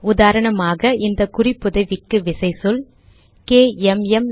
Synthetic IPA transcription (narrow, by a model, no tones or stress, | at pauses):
ʊðaːɾɐɳɐmaːɣɐɪnd̪ɐkʊrɪpːʊðɐɪʋɪkːɯʋɪsɐɪsɔl | keːɛmɛm